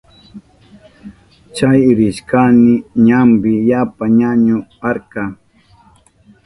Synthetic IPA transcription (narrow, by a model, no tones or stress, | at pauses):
t͡ʃajɾɪʃkanɪɲambɪjapaɲaɲʊaɾkɑ